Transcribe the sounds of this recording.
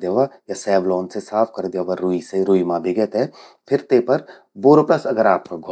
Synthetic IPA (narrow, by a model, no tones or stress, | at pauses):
d̪jaʋajasɛːʋloːnsesaːpʰkɐɾd̪jaːʋaɾuːiseɾuːimãːbʱiɡɛt̪ɛ̃ | pʰɪɾt̪eːpɐɾ | boːɾoplɐsɐɡəɾaːp̚kɐɡʱo